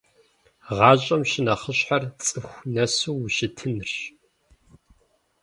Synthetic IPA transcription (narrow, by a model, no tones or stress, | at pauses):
ʁɑːɕʼɐmʃɪnɐχəɕħart͡sʼɨxʷnɐsuːʃɪtʰɨnr